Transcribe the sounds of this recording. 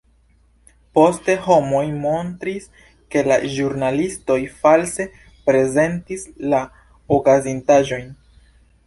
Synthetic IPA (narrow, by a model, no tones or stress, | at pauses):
po̞ste̞ho̞mo̞jmo̞ntɾis | ke̞laʒuɾnalisto̞jfalse | pɾe̞ze̞ntisla | okazintaʒo̞jn